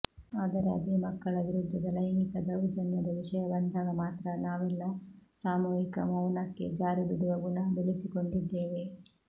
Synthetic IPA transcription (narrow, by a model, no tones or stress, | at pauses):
aːd̪ɐɾeɐ̰d̪imɐkːɐɭɐʋiɾud̪ʱːɐd̪ɐlɐjmik̪ɐd̪ɐɭud͡ʒɐnːɐd̪ɐʋiʂɐjɐbɐnd̪aːɡɐmaːt̪ɾɐnaːʋɛlːɐsaːmuːɦikɐ̰mɐwnɐkːe̞̰d͡ʒaːɾibiɽuʋɐɡuɳɐbeɭisiko̞ɳɖid̪ːe̞ːʋe̞